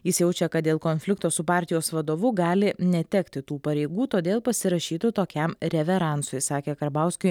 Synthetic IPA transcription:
jɪsjɛʊt͡ʃʲɛkɐt̪d̪ʲeːlˠkoːnʲfʲlʲɪkt̪oːsʊpɑːɾʲt̪ʲɪjoːsʋɐd̪oːʋʊɡɑːlʲɪnʲɛt̪ʲɛkt̪ʲɪt̪uːpɐɾʲɛɪɡuːt̪oːd̪ʲeːlˠpɐsʲɪɾɐʃʲiːt̪ʊt̪oːkʲɛmɾʲɛʋʲɛɾɑˑnt̪sojsɑːkʲeːkɐɾbɑˑʊsʲkʲʊɪ

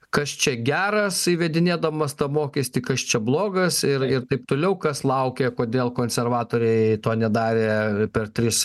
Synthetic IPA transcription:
kɐst͡ʃʲɛɡʲæːɾɐsiːʋʲɛd̪ʲɪnʲeːd̪ɐmɐst̪ɐmoːkʲɛsʲt̪ʲikɐst͡ʃʲɛblˠoːɡɐsɪrɪɾt̪ɐɪp̚t̪oːlʲɛʊkɐslˠɐʊkʲɛkoːd̪ʲeːlˠkoːnʲsʲɛrʋɑːt̪oːɾʲɛɪt̪oːnʲɛd̪ɑːɾʲeːpʲɛrt̪ʲɾʲɪs

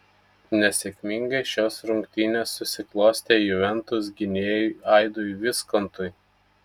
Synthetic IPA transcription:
nʲɛsʲeːkʲmʲɪŋɡɐɪʃʲoːsɾʊŋʲkt̪ʲɪnʲeːsːʊsʲɪklˠoːsʲt̪ʲeːjuʋʲɛnt̪ʊs̬ɡʲɪnʲeːjʊɑˑɪd̪oːʋʲɪskɔnt̪ʊj

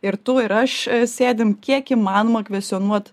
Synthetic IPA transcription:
ɪɾt̪uɪɾɐʃsʲeːd̪ʲɪmkʲiɛkiːmɑːnoːmɐkʋʲɛsʲt̪ʲɔnuɔt̪

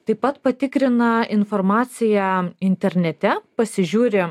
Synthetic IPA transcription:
t̪ɐɪpɐt̪pɐt̪ʲɪkɾʲɪnɐɪnfɔɾmɑːt̪sʲɪjæɪnʲt̪ʲɛɾʲnʲɛt̪ʲɛpɐsʲɪʒʲuːɾʲɪ

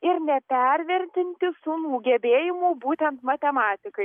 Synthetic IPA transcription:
ɪɾnʲɛpʲɛɾʲʋʲɛɾʲt̪ʲɪnʲt̪ʲɪsʊnuːɡʲɛbʲeːjɪmuːbuːt̪ʲɛnt̪mɐt̪ʲɛmɑːt̪ʲɪkɐɪ

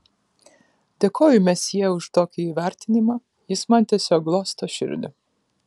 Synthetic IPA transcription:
d̪ʲekʰoːjʊmʲɛsjiɛʊʃt̪oːkʲiiːʋʲæˑɾʲt̪ʲɪnʲɪmɑː | jɪsmɐnʲt̪ʲɛsʲoːklˠoːst̪ɐʃʲɪ̰ɾʲd̪ʲʊ̰

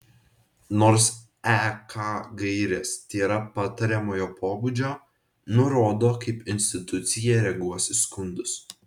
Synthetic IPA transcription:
noːɾs | ækɑːɡɐɪɾʲɛːst̪ʲeːɾɐpɑt̪ɐɾʲɛmoːjoːpʰoːbuːd͡ʒʲoː | nʊɾoːd̪oːkɐɪpɪnʲsʲt̪ʲɪt̪ʊt̪sʲɪjɛːɾʲɛɡuɔsʲɪskʊnd̪ʊs

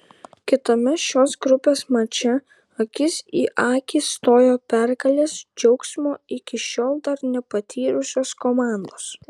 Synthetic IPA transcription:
kʲɪt̪omʲɛʃʲoːsɡɾʊpʲeːsmɐt͡ʃʲɛ | ɐkʲɪsiːʔɑːkʲiːst̪oːjoːpʲɛɾkɐlʲeːsd͡ʒʲɛʊksʲmʲoːɪkʲɪʃʲoːlˠd̪ɐɾnʲɛpɐt̪ʲʰiːɾʊsʲoːskomɑˑnd̪oːs

